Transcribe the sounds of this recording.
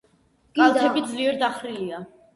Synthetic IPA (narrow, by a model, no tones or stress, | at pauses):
ɡ̥alˠt̪ʰɛbid̪zliɛɾd̪aχɾilia